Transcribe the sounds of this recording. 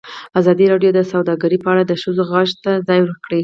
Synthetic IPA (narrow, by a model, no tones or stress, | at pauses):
azɑd̪iɾɑɖjod̪əsawd̪ɑɡəɾipəaɽad̪əʃəzoɣaʃt̪azɑjwəkɽi